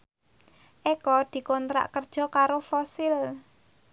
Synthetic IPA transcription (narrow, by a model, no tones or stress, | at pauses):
ʔekɔd̪̥i̤kɔnt̪ɾa̰ʔkərd̥ʒ̥ɔ̤kaɾofɔsɪl